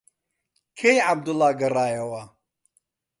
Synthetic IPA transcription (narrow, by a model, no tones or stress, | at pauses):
kʰejʕab̚d̪ulːaːɡɐraːjɐwa